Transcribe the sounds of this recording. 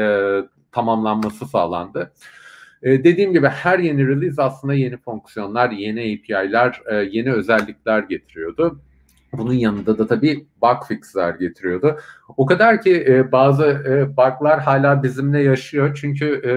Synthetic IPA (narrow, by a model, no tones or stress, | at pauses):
t̪ʰamamlˠanmasɯsa̰ːlˠa̰nd̪ɯː | d̪e̞d̪iːmɟibihæɾje̞niɾilʲˠizaslˠɯnd̪aje̞nifoŋksjo̞nlˠaɾje̞niejpʰiajlʲæɾːje̞niø̞zælʲːicʲlʲæɾɟe̞t̪ʰiɾijo̞d̪ʊ | bununjanɯnd̪ad̪at̪ʰabiːbakfikslʲæɾɟe̞t̪ʰiɾijo̞d̪ʊokad̪aɾcibaːzɯbaɾklˠaɾɦaːlʲaːbizimlʲɛjaʃɯjo̞t͡ʃʰyɲcʰy